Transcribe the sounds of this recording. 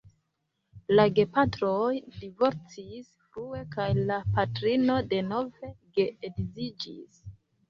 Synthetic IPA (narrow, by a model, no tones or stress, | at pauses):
laɡe̞patɾojdivo̞ɾt͡sisfɾue̞kajlapatɾino̞de̞no̞ve̞ɡeːdizid͡ʒḭs